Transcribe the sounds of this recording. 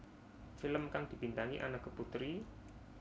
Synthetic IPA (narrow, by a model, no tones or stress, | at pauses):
filəmkaŋd̪̥i̤pint̪aŋiʔa̰nakɡ̥əput̪ɾi